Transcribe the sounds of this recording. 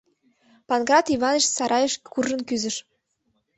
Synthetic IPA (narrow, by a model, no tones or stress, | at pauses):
pɑnɡrɑt̪iβɑneʃsɑɾʔɑjeʃkurʒə̆nkyzə̆ʃ